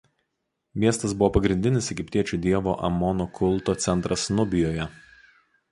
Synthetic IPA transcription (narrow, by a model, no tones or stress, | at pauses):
mʲiɛst̪ɐsbʊʋoːpɐɡɾʲɪnʲd̪ʲɪnʲɪsɛɡʲɪpʲt̪ʲiɛt͡ʃʲud̪ʲiɛʋo̰ːʔɐ̰mɔnokʰʊlˠˑt̪oːt̪sʲɛnˑt̪ɾɐsnʊbʲɪjoːjɛ